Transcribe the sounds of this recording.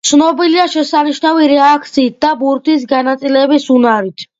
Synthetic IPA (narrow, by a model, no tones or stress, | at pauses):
t̪sʰnɔbiliaʃɛsaniʃnaviɾɛak̚ʰt̪sʰiːt̪̚ʰd̪abuɾt̪ʰisɡanat̪sʼilɛbisunaɾit̪ʰ